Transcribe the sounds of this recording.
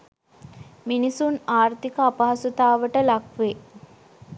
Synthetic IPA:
minisunaːrt̪ikəapɐɦɐsut̪aːʋəʈəlakʋe

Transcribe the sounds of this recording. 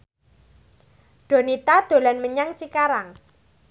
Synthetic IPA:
ɖ̥o̤nit̪ad̪̥o̤lanməɲaŋt͡ʃikaɾaŋ

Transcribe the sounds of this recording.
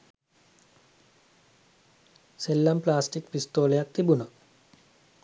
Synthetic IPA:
selːɐmplaːsʈikpist̪oːlɐjak̚t̪ibunɐ

